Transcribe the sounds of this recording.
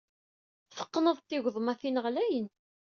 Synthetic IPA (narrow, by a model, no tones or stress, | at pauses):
θə̥qːnəðˤt̪ːɪɣʷðˤmæθinəʁlæjən